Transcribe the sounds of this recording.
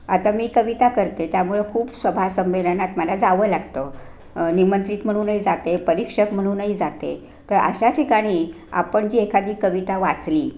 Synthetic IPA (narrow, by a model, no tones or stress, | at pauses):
at̪amiːkəʋit̪akəɾt̪et̪jamuɭekʰuːpsəbʱasəmʋed̪ʱənat̪məlad͡zaʋəːlaɡt̪ə | nimənt̪ɾiːt̪m̤əɽ̃uːnəɦid͡zat̪epəɾikʂəkm̤əɽ̃uːnəɦid͡zat̪ḛ | t̪əɾə̰ɕaʈʰikaɽ̃iː | a̰pəɳd͡ʑiːekʰad̪ʱiːkəʋit̪aʋat͡sliː